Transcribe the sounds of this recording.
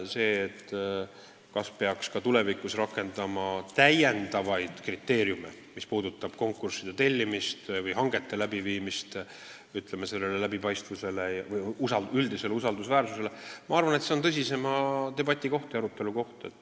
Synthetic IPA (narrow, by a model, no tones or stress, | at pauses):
se̞ːt̪ː | kɑspe̞ɑkskɑt̪ule̞vikusrɑkːˑe̞nd̪ɑmɑt̪æjje̞nd̪̥ɑvɑjd̪̥krit̪ːˑe̞ːɾjumḛ | mispuːd̪ut̪ːˑɑb̥ko̞ŋkːˑursid̪̥et̪e̞lʲːimist̪vɤjɦɑŋɡ̥e̞t̪ːe̞læbiviːmist̪ | yt̪lemese̞lːe̞lelæb̥ipɑjst̪vuse̞le̞jɑvɤjjusɑyld̪ise̞leusɑld̪usvæːrsuse̞lemɑɑrvɑnet̪seot̪ɤs̬ʲise̞mɑt̪e̞bɑt̪ʲːˑiko̞ht̪jɑɾut̪ːˑe̞luko̞ht̪et̪ˑː